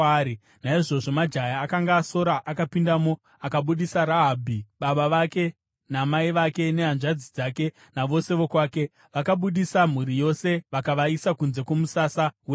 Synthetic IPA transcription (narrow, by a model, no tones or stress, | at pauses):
i | naiʐo̞ʐo̞mad͡ʒajaːkaŋɡaːso̞ɾaʔakapindamo̞ | akaɓuɗisaɾaɦabʱiɓaɓaʋake̞ | namaiʋake̞ne̞ɦanʐad͡zid͡zaːke̞ | naʋo̞se̞ʋo̞kwaːke̞ | ʋakaɓuɗisam̤uɾijo̞se̞ʋakaʋaisakunze̞kwo̞musasawe